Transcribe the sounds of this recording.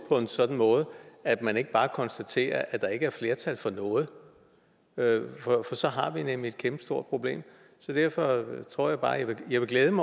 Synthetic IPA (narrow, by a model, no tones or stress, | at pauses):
pʰɒ̽e̝nsɒ̽d̥n̩mɔ̽ːð̞̩ˠəæ̥mæne̝ɡ̥əb̥ɑ̈ːkʰɒ̽nsd̥æt͡sʰe̝̰ːɐʔæd̥ɑ̈e̝ɡ̥əæɐfle̝ɐt͡sʰælfɒ̽nɔ̽ːð̞̩ˠ | øfɒfɒ̽sɒ̽ɦɑ̈ʋinemlie̝d̥̚kʰemb̥ə̥sd̥o̝ɐ̰d̥pʰʁo̝b̥le̝̰ːm | sɒ̽d̥æɐ̰fɒ̽t͡sʰʁo̝ɐ̰jɑ̈ɪb̥ɑ̈ːjʋejäɪʋe̝ɡ̥leːð̞ˠəmɑ